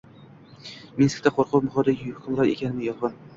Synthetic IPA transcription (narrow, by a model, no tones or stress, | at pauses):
minsk̚ʲt̪aqʰoɾqʰʊpmʊχɒd̪aɡʲɪhʊ̥kʰʊmɾɒɾe̞̰kʲʰanɪmɪjɒlˠʁɑn